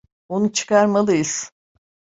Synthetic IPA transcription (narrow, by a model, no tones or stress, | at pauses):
onut͡ʃʰɯ̥kaɾmalˠɯjɯz̥